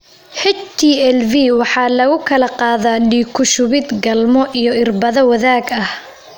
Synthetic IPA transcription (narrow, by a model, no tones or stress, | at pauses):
hɛt͡ʃt̪ʰiːɛlviwɑħɑːlɐɣʊkʰɐlɐqɑːðaːɖiːkʰʊʃʊβɪd̪ɡɐlmɔʔijɔɪrbɐðɐwɐðaːɡɐh